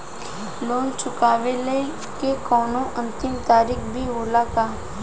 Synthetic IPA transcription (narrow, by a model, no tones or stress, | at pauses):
loːnt͡ʃʊkaːʋele | kekɔːnõʔə̃nt̪ɪmt̪aːɾikʰbʱioːlakaː